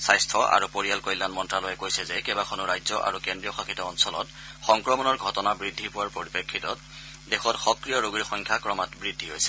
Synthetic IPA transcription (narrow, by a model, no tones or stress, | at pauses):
sajstʰɔʔa̰ɹupoɹijalkɔjlːanmɔntɹalɔjɛkojsɛzɛkɛbakʰɔnʊɹajzɔʔa̰ɹukendɹijɔxakitɔːnsɔlɔ̰t | xɔŋkɹɔmɔnɔɹɡʱɔtɔnabɹidʱːipʊwaɹpoɹipekʰːitɔt | dɛxɔtxɔkɹijɔɹuɡɹixɔŋkʰakɹɔmatbɹidʱːiɦojsɛ̥